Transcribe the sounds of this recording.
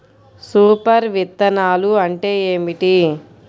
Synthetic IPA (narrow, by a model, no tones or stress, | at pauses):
suːpɐɾʋit̪ːɐnaːluɐɳʈe̞ːeːmiʈi